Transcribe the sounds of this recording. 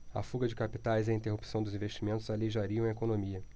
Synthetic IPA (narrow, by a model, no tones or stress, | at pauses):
ɐ̰fuɡɐd͡ʒɪkapit̪ajziĩnt̪ehupi̥sɐ̃w̃d̪ʊzĩveʃt͡ʃimẽnt̪ʊzaleʒaɾiɐ̃w̃ẽekonõmiɐ